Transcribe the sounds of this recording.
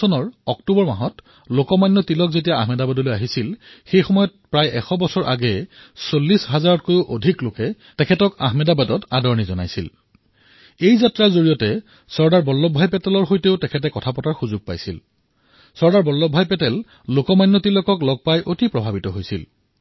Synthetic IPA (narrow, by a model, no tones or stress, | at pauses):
ɔnɔɹɔktubɔɹma̰ɦɔt | lokɔmajnːɔtilɔk̚zetijaahmɛdabadɔlojaɦisilxejxɔmɔjɔt̚pɹajʔɛxɔbɔsɔɹʔa̰ɡɛsolːisɦazaɹɔtkojʊʔodʱiklokɛ | tɛkʰɛtɔka̰ɦmɛdabadɔtadɔɹnizɔna̰jsḭl | ejzatɹazoɹijɔtɛ | sɔɹdaɹbɔlːɔbʱajpɛtɛlɔɹxojteʊtɛkʰɛt̬ɛkɔtʰapɔtaɹxuzuɡ̚pa̰jsḭl | sɔɹdaɹbɔlːɔbʱajpɛtɛl | lokɔmajnːɔtilɔkɔklɔɡ̚pajʔotipɹɔbʱabitɔɦojsil